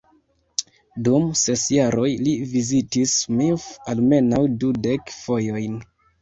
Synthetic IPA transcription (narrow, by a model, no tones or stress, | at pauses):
dumse̞sjaɾo̞jlivizitismifalme̞nawdude̞kfo̞jo̞jn